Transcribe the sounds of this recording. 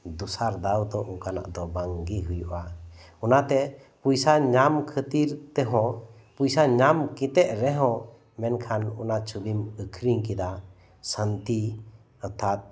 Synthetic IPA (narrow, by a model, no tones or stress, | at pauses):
d̪usaɾd̪awd̪ɔʔuŋkana̰ʔd̪ɔbaŋɡiɦujuʔa | unat̪ɛ | pujsaɲamkʰət̪iɾt̪ɛɦɔ̃ | pujsaɲamkit̪ɛʔ̚ɾɛɦɔ̃ | mɛnkʰanunat͡ʃubiməkʰɾiŋkid̪a | sant̪i | at̪ʰat̪̚